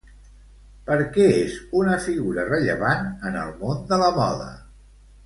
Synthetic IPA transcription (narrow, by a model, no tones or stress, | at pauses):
pəɾkɛezunəfiɣuɾərəʎə̰βanənə̰lˠmond̪ələmɔðə̰